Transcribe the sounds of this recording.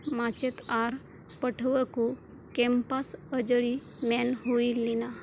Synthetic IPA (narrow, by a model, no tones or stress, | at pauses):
mat͡ɕet̪aɾ | pəʈʰʋəku | kɛmpasəd͡ʑəɭi | mɛnɦuilːina